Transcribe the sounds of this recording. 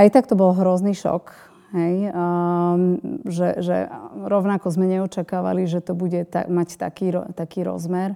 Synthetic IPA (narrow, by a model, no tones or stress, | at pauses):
ajt̪akt̪ɔbɔlɦɾɔzniʃɔ̰k | ɦɛj | ʒɛʒɛ̰ɾɔʊnakɔzmɛɲɛɔt͡ʃakaːʋa̰liʒɛt̪ɔbuɟɛt̪a̰mact̪a̰kiːɾɔt̪akiːɾɔ̰zmɛɾ